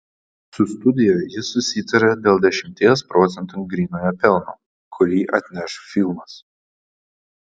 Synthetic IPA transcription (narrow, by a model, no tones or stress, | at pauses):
sʊst̪ʊd̪ʲɪjojjɪsʊsʲɪt̪ɐɾʲɛd̪ʲeːlˠd̪ʲɛʃʲɪmʲt̪ʲeːspɾɔt̪sʲɛnt̪uŋɡɾʲiːnoːjɛpʲɛlˠnṵː | kʰʊɾʲiːʔɐt̪ʲnʲɛʃfʲɪlˠmɐs